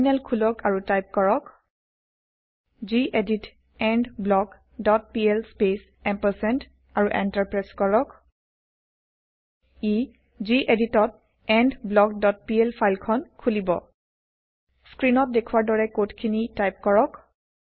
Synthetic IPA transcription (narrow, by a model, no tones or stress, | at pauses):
nɛlkʰulɔkʰaɹutajp̚kɔɹɔk | ziʔedit | ɛndblɔɡ | dɔt̚piɛlspes | ɛmpɛsɛnt | aɹuʔɛntaɹpɹɛskɔɹɔk | i | ziʔeditɔt̚ | ɛndblɔk̚dɔt̚piɛlpʰajlkʰɔnkʰulibɔ | skɹinɔt̚dekʰuwaɹdɔɹɛkotkʰinitajp̚kɔɹɔk